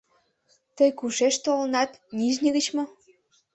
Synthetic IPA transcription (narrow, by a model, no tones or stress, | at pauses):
t̪əjkuʃeʃt̪olnɑt̪nʲiʒnʲəɣət͡ɕmo